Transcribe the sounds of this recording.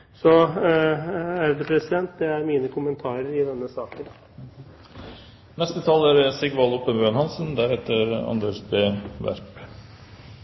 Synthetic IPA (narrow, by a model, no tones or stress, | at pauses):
sɔ | æɾd̪ɛpʰɾɛsɪd̪ɛnt̪̚d̪ɛæɾmiːnəkʰʊmənt̪ʰɑːɾəɾɪd̪ɛnːəsɑːkən | nɛst̪ət̪ʰɑːlæɾsɪɡʋɑlɔpənbøːnhɑnsənd̪æɾhɛːt̪əɾɑ̰nd̪eʂbeːʋæ̰ɾp